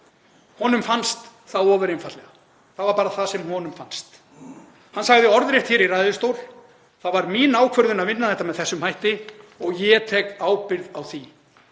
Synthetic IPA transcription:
hɔnʏmfanst̪ | θaðɔːvʏɾenfat̪lɛɣa | θaðvaɾpaːɾaθasɛmhɔnʏmfanst̪ | hanːsaɣðɪɔɾðɾjɛht̪çɛɾirajðʏst̪oːwl̥ | θaðvaɾmiːnaːwkʰvœɾðʏnaðvɪnːaθɛht̪amɛðθɛsːʏmhajht̪ɪɔɣjɛt̪ʰɛːkaːwpɪɾðawθi

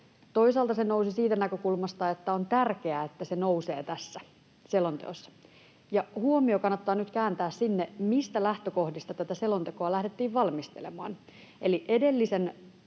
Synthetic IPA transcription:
t̪o̞isɑːlt̪ɑsenousisiːt̪ænækøkulmɑst̪ɑet̪ːæont̪ærke̞æet̪ːæsenouseːt̪æsːæ | selont̪ḛosːɑ̥ | jɑhuomiokɑnːɑt̪ːɑːnyt̪kæːnt̪æːssinːemist̪ælæht̪øko̞hdist̪ɑt̪æt̪æselont̪ekoɑlæhdet̪ːiːʋʋɑlmist̪ḛlemɑ̰ːn | eliʔedelːisen

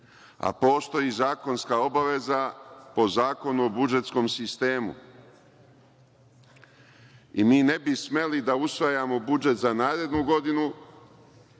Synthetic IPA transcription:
a̰po̞ːst̪o̞jiːzaːko̞nskao̞baʋe̞zapo̞zaːko̞nuobud͡ʒe̞t̪sko̞msist̪e̞ːmṵ | imiːne̞bisme̞lid̪ausʋajamo̞bud͡ʒe̞t̪zanaːɾe̞d̪nuɡo̞d̪inu

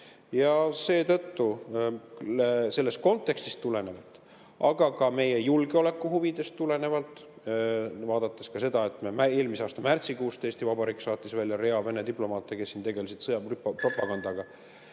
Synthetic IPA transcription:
jɑse̞ːt̪ɤt̪ːu | se̞lːe̞st̪̚ko̞nt̪ːˑe̞kst̪ist̪ːule̞ne̞vɑlt̪ːˑ | ʔɑɡ̥ɑkɑme̞je̞julɡ̥eo̞le̞kːˑuhuvid̪̥e̞st̪t̪ːule̞ne̞vɑlt̪ˑ | vɑːd̪̥ɑt̪ˑːeskɑse̞d̪̥ɑet̪meme̞ːlmiseɑːst̪ɑmært̪sikuːst̪eːst̪ivɑbɑɾikːsɑːt̪ːˑisvælʲjɑɾe̞ɑve̞ne̞d̪iplo̞mɑːt̪ːˑeke̞sːint̪e̞ɡe̞lesid̪̥sɤjɑprppro̞pːˑɑɡ̥ɑnd̪̥ɑɡ̥ɑ

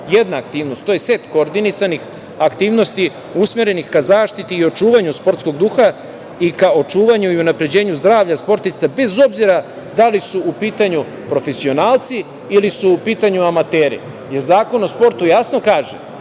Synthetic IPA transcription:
je̞d̪naːk̚t̪iːʋnost̪ːojese̞t̪ko̞ːɾd̪inisanix | akt̪iːʋno̞st̪i | usmeɾe̞nixkazaːʃt̪it̪iːo̞t͡ʃuːʋaɲuspo̞ɾt̪sko̞ɡd̪uːxa | ikao̞t͡ʃuːʋaɲuiunapɾe̞d͡ʑe̞ːɲuzd̪ɾaːʋʎaspo̞ɾt̪ist̪abe̞zo̞bziɾa | d̪alisuːpiːt̪aɲu | pɾo̞fe̞sio̞naːlˠt̪siː | lisuːpiːt̪aɲuamat̪eːɾḭ | je̞ɾzaːko̞no̞spo̞ɾt̪ujasno̞kaːʒe

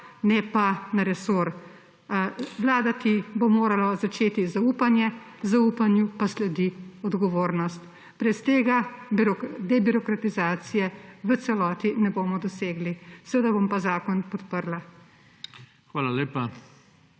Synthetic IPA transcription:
nɛpanaɾɛsoɾ | ʋlaːd̪at̪ibomoːɾalazat͡ʃeːt̪izauːpanjɛ | zauːpanjupaslɛd̪iɔd̪ɡɔʋoːɾnɔst̪ | b̥ɾɛst̪eːɡabɾɔd̪ɛbiɾɔkɾat̪izaːt̪sijɛʋət̪sɛlɔːt̪inɛboːmɔd̪ɔseːɡlisɛʋeːd̪abompazaːkɔnpɔt̪pəɾla | xʋaːlaleːpa

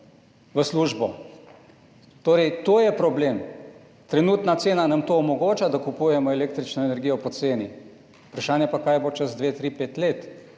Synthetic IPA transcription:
ʋəsluːʒbɔ | t̪oːɾɛjt̪oːjɛpɾɔbleːm | t̪ɾɛnuːt̪nat̪seːnanamt̪oɔmɔɡoːt͡ʃad̪akupuːjɛmɔɛleːk̚t̪ɾit͡ʃnɔɛnɛɾɡijɔpɔt̪seːni | upɾaʃaːnjɛpakaːjɛbot͡ʃɐzd̪ʋeːt̪ɾipeːt̪leːt̪

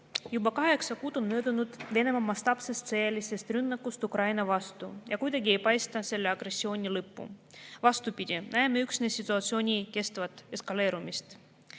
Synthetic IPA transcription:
jubɑkɑɦe̞ksɑkuːd̪̥o̞nmø̞ːd̪unud̪̥ve̞ne̞mɑmɑst̪ɑpse̞st̪sejelʲise̞st̪rynːɑkːust̪ukɾɑjnɑvɑst̪ujɑkujd̪ɑɡʲie̞jpɑjst̪ɑse̞lːeɑɡre̞sʲːio̞ːnʲilɤpːṵvɑst̪upid̪̥ʲinæːmeyksnesʲit̪ːˑuɑt̪sio̞ːnʲike̞st̪vɑt̪ːˑe̞skɑle̞ːɾumist̪

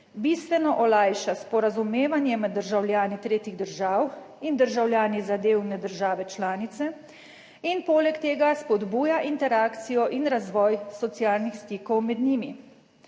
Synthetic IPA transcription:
biːst̪ʋɛnɔʔɔlajʃaspɔɾazumeːʋanjɛmɛd̪ːəɾʒawljaːnit̪ɾeːt̪iɣd̪əɾʒaːw | ind̪əɾʒawljaːnizad̪eːwnɛd̪əɾʒaːʋɛt͡ʃlaːnit̪sɛ | inpoːlɛkt̪eːɡaspɔd̪buːjaʔint̪ɛɾaːkt̪sijɔʔinɾazʋɔːjsɔt̪siaːlnixst̪iːkɔwmɛd̪niːmi

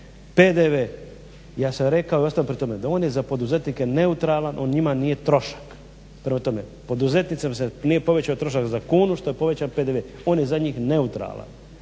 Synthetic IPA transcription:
peːd̪eʋe | jaːsamɾe̞kao̞iost̪ajompɾet̪o̞me̞d̪ao̞ːnje̞zapo̞d̪uze̞t̪nike̞ne̞ut̪ɾalˠanʔo̞ːnɲimanije̞t̪ɾo̞ʃḁk | pɾemat̪o̞me̞po̞d̪uzet̪nit̪semsenijepo̞ʋet͡ɕaot̪ɾo̞ʃ̬akzakuːnuʃt̪o̞je̞po̞ʋe̞t͡ɕaːnpe̞ːd̪eʋe | o̞ːnje̞zaɲiːxne̞ut̪ɾa̰lˠa̰n

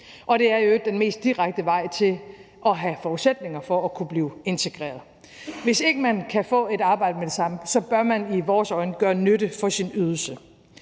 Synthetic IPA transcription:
ʔɒ̽ɾ̥e̝æɐjoeɡ̥̚d̥enme̝̰ːsd̥iʁaɡ̥̚d̥əʋɑ̈ɪ̰t͡sʰe̝l | ʔɒ̽ɦæfɒːuðˠsed̥ne̝ŋɐfɒ̽ːkʰub̥liːʊe̝nt͡sʰe̝ɡ̥ʁḛːɐðˠ | ʋe̝se̝ɡ̥əmænkʰæfɔ̰̽ːe̝ɾɑ̈ːb̥ɑ̈ɪ̰d̥əmed̥e̝sɑ̈məsɒ̽b̥ɶɐmæniʋɒːsɒ̽ɪnəɡ̥ɶːɐnøɾ̥əfɒ̽sinyð̞ˠl̩sə

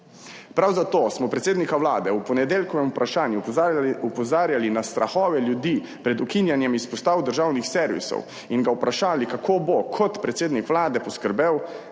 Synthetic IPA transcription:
pɾawzat̪oːsmɔpɾɛt̪seːd̪nikaʋlaːd̪ɛuwpɔnɛd̪eːlkɔʋɛmupɾʔaʃaːnjuupɔzaːɾjalinast̪ɾa̰xɔːʋɛljud̪iː | pɾɛd̪ukinjanjɛmispɔst̪aːwd̪əɾʒawnixsɛɾʋḭsɔ̰w | inɡaupɾaʃaːlikakʰoːbokʰɔt̪pɾɛt̪seːd̪nikʋlaːd̪ɛpɔskəɾbew

